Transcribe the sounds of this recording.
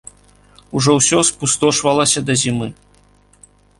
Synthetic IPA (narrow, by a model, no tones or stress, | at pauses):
uʐɔwsʲɔspust̪ɔʂvɐlˠɐsʲɐd̪ɐzʲimɨ